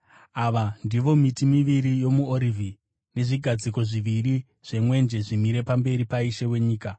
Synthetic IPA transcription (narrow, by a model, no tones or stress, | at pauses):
aʋandiʋo̞mitimiʋiɾijo̞muoɾivʱi | ne̞ʐiɡʱad͡ziko̞ʐiʋiri | ʐ̥e̞mwe̞nd͡ʒe̞ʐimiɾe̞pambe̞ɾipaiʃewe̞ɲiːka